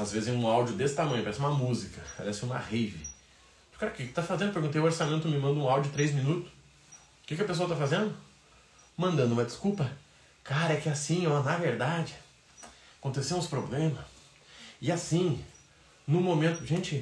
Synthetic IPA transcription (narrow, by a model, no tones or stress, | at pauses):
azvezɪzẽũawd͡ʒʊd̪esɪ̥t̪amɐ̃j̃ʊpaɾɛsɪũmɐmuzikɐpa̰ɾɛsɪũmɐ̰hivɪ̰ | kaɾɐkɪkɪ̥t̪afazẽnd̪ʊpeɾɡũt̪ejʊoɾsamẽnt̪ʊmɪmɐ̃nd̪ʊũawd͡ʒʊd͡ʒɪt̪ɾejzmĩnut̪ʊ̥s | kɪkɪɐpes̬oɐt̪afazẽnd̪ʊ | mɐ̃nd̪ɐ̃nd̪ʊũmɐd͡ʒɪskupɐ | kaɾɐɛkɪasĩonɐveɾd̪ad͡ʒɪ | akõnt̪eseɐ̃ʊspɾoblẽmɐs | ɪasĩ | nʊ̃momẽnt̪ʊʒẽt͡ʃɪ